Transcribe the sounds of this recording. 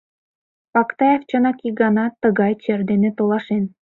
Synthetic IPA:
pɑkt̪ɑjɑft͡ɕənɑkik̚ɡɑnɑt̪ə̆ɣɑjt͡ɕerd̪enĕt̪olˠɑʃen

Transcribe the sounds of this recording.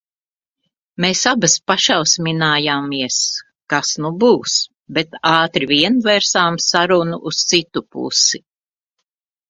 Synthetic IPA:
meːsabaspaʃawsmʲinaːjaːmiɛs | kasnubuːs | bet̪aːt̪ɾivʲiɛnvɛɾsaːmsaɾunuʔust̪sit̪upṵsi

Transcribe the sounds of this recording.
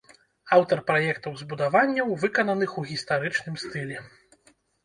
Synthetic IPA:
awt̪ɐrpɾajɛkt̪ɐwzbud̪avanʲːɐwvɨkɐnɐnɨxuɣʲist̪aɾɨt͡ʂnɨmst̪ɨlʲɛ

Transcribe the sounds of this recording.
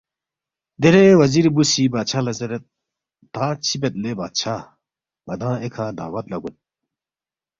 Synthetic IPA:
d̪eɾewɐziɾbusibat͡ɕʰalɐzɐɾet̪ | t̪ãt͡ɕʰibet̪̚lebaːt͡ɕʰa | mɐd̪ãːekʰãːd̪a̰ːwɐt̪lɐɡun̚

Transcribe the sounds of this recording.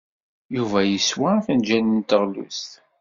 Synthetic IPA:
juvæjəswaθænd͡ʒænənt̪əʁlṵst̪

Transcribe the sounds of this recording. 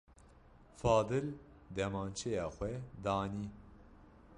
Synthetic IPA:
fɑːd̪ɨl | d̪ɛmaːnt͡ʃʰejɑːxʷɛd̪ɑːniː

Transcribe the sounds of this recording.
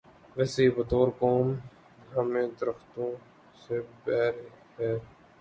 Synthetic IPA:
ʋeːseːbət̪oːɾkoːm | dʱaːmẽːd̪əɾəxt̪õː | sebɛːɾepɛːɾ

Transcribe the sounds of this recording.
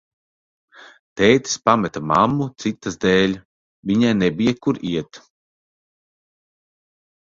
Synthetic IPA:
t̪ɛːt̪i̥spamɛt̪ama̰mːut̪sit̪ːasd̪ɛːlʲ | viɲajnebijakuɾiɛt̪

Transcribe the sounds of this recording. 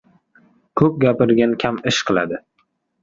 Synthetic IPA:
kʰɵp̚ɡʲapɪɾɡʲankʲʰamɪʃqʰɨlˠa̰d̪ɪ

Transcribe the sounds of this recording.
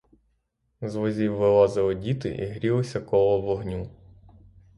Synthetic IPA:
zʋɔzʲiwːɪlˠɑzɐlˠɔdʲit̪ɪ̰ʔḭɦɾʲilˠɔsʲɐkɔlˠɔʋɔɦnʲu

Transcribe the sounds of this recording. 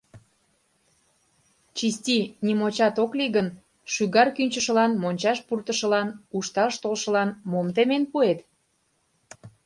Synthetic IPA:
t͡ɕisʲtʲinʲimot͡ɕɑt̪okliɣən | ʃyɣɑrkynʲt͡ɕəʃəlɑnmonʲt͡ɕɑʃpurt̪əʃə̆lɑnuʃt̪ɑʃt̪olʃə̆lɑnmomt̪emenpuet̪

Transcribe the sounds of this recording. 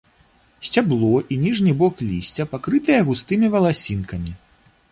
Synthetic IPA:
sʲt͡sʲablˠɔʔinʲiʐnʲibɔklʲisʲt͡sʲɐpakɾɨt̪ɨjɐɣust̪ɨmʲivɐlˠasʲinkɐmʲi

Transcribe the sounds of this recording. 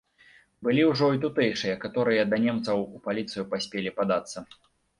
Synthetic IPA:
bɨlʲiwʐɔit̪̬ut̪ɛjʂɨjɐkat̪ɔɾɨjɐd̪ɐnʲɛmt̪sɐwupalʲit̪sɨjupasʲpʲelʲipad̪at̪sːɐ

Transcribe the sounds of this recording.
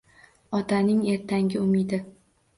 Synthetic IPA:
ɒt̪ʰanɪŋe̞ɾt̪ʰaŋʲɪʊmɪd̪ɪ

